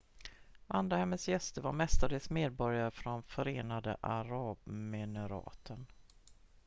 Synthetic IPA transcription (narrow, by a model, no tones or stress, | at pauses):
and̪ɾahɛmːəsjɛst̪əɾvaɾmɛst̪ad̪eːsmeːd̪̚bɔɾjaɾəfɾɔnfœɾeːnad̪ə̰ʔaɾɑːbmɪnəɾɑ̰ːt̪ʰən